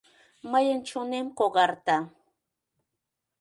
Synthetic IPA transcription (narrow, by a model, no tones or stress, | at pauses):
majant͡ʃʊnɪmkoɢɑɾt̪a